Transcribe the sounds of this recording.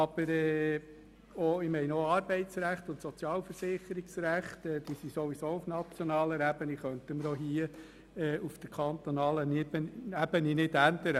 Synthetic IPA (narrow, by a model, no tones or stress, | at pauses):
ɑb̥əɾɛː | oɪmɛɪnɔɑɾb̥ɛɪtsræχt̪ʊnt̪sɔt͡sjɑːlfəɾsɪχːəɾiksræχt̪ɛd̥̪iːsisoʋisoːufnɑt͡sjɔnɑːləɾæb̥əniχœnt̪əməɾɔɦiə | ɛːufd̥̪əkʰɑnt̪onɑːlənɪbənæb̥əninɪdænd̪əɾə